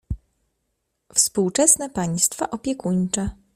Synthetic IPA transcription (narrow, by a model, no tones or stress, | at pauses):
fspuwt͡ʂɛsnɛpaɲst̪faʔɔpʲjɛkuɲt͡ʂɛ